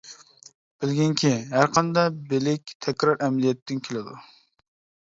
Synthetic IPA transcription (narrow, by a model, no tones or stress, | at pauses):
b̥ɪlɡʲɪŋkʲʰiɦæɾqʰɑnd̪ɑbɪlɪk̚ʲt̪ʰɛkʲɾɑɾʔɛmlijɛt̪ːɪnkʲʰelɪd̪ṵ